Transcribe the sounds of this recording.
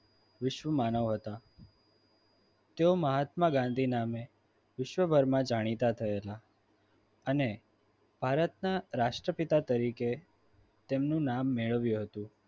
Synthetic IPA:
ʋɪʃʋəmanəʋɦət̪a | t̪eoməɦat̪maɡãnd̪ʱiname | ʋɪʃʋəbʱəɾmãd͡ʒaɽ̃it̪at̪ʰəela | əne | b̥ʱaɾət̪naɾaʃʈɾəpit̪at̪əɾike | t̪emnũnamːeɭəʋjũɦət̪ũ

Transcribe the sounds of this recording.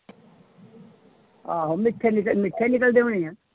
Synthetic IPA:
aːɦomɪʈʰːɛnɪkəmɪʈʰːɛnɪkəld̪eːɦõnẽãː

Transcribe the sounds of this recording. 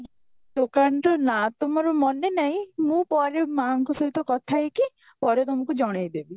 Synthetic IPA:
d̪okaɳʈɔnat̪omɔɾɔmɔnenaɦĩmũpɔɾemaŋkusɔɦit̪ɔkɔt̪ʰaeki | pɔɾet̪omɔ̃kud͡ʒɔɽ̃ejd̪ebi

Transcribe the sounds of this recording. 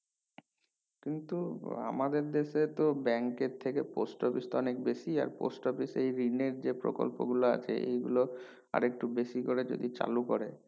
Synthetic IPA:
kint̪ua̰mad̪eɾd̪eʃet̪obɛŋkeɾt̪ʰekeposʈɔfist̪oɔnek̚beʃia̰ɾpo̰sʈɔfisejɾineɾd͡ʑepɾo̰ko̰lpoɡuloa̰t͡ɕʰeḛjɡulo | a̰ɾek̚ʈubeʃikoɾed͡ʑo̰d̪it͡ɕa̰lukoɾe

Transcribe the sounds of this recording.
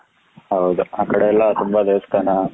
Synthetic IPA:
ɦəwd̪uakəɽeɛlːat̪umbad̪eʋst̪ana

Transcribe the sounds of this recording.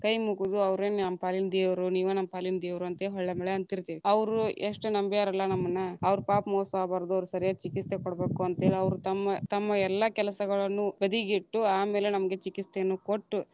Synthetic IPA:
kɐjmukud̪uɐʋɾeːnnɐmːɐpaːlind̪eːʋɾuniːʋunɐmːɐpaːlind̪eːʋɾuɐnt̪eɦɔɭːɐmɛɭeɐnt̪iɾt̪iːʋiɐʋɐɾueʂʈunɐmbijaːɾɐlːɐnɐmːɐnːɐɐʋɐɾupaːpmoːsaːbaːɾɐd̪uɐʋɐɾusɐɾijaːt͡ʃikit͡st̪ekɔɽɐbeːkuɐnt̪eːɭiɐʋɾut̪ɐmːɐt̪ɐmːɐɛlːakɛlɐsɐɡɐɭɐnːubɐd̪iɡiʈːuaːmeːle̞nɐmɐɡe̞t͡ʃikist̪eɐnːukoʈːu

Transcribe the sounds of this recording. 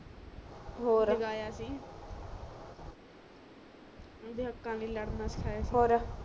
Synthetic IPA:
ɦoːɾɪɡaːjaːsiː | d̪ɪəkːãːliːləɽnaːsɪ̥kʰaːjaːsiɦoːɾa

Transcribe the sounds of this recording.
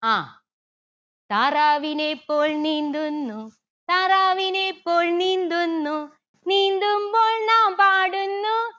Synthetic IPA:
aː | t̪aːɾaːʋinepːoːlniːnd̪ɯnːu | t̪aːɾaːʋinepːoːlniːnd̪ɯnːu | niːnd̪ɯmboːlnãːmpaːɽɯnːu

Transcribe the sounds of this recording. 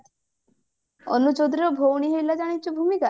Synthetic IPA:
ɔ̰nut͡ʃod̪ɾiɾɔbʱowɳ̃iɦojlad͡ʒaɽ̃it͡ʃʰubʱumika

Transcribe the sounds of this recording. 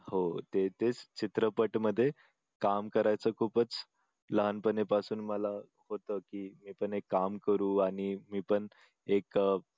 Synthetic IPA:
hot̪et̪et͡st͡ɕit̪ɾəpəʈməd̪ʱːje | kamkəɾajt͡səːkʰuːpət͡s | ləɦanpənepasuːnməla | hot̪əkiːmiːpəɳekːamkəɾuːaɽ̃imiːpəɳ | ek

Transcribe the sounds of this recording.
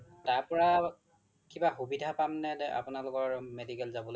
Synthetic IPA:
taɹpɔɹa | kibaxubidʱapamnɛnɛʔa̰pʊnalʊkɔɹmedikɛlzabɔlo

